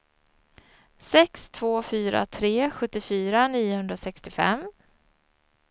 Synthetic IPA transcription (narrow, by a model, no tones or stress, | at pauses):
sɛkst̪ʰv̥oːfyːɾa̰t̪ʰɾeːɧɵt̪ːɪfyːɾaniːʊhɵnd̪ɾasɛkst̪ɪfɛ̰m